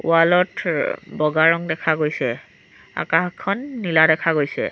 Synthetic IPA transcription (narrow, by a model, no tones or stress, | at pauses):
ṵalɔtbɔɡaɹɔŋdɛkʰaɡojsɛ | a̰kaxkʰːɔnːiladɛkʰaɡojsɛ̰